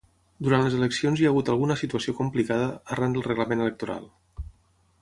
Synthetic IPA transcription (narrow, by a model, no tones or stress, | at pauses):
d̪uɾant̪ləzeləksionziaɣut̪əlˠɣunəsit̪uəsiokumplikað̞əːrand̪əlˠrəɣləmenələk̚t̪uɾa̰lˠ